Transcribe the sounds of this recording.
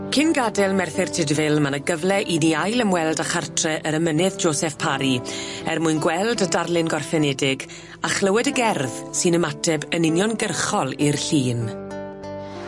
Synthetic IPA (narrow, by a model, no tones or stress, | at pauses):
kʰɪnɡadɛlˠmɛrθɪrtʰɪdvɪlˠmanəɡəvlɛʔiniajləmwɛlˠdaχartʰrɛʔəɾəmənɪðd͡ʒoːsɛfpʰaɾiɛrmʊɨnɡwɛlˠdədarlɪnɡɔrfɛnɛdɪɡ | aχləwɛdəɡɛrðsɨnəmatʰɛbənɪnjɔnɡərχɔlˠirɬiːn